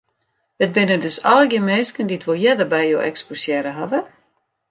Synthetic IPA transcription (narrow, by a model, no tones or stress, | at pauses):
ət̚bɪnədøsɔləɡjəmɛːskənditʋolˠjɛdərbɛjjo̰ːʔɛ̰ksposjɛɾəɦavə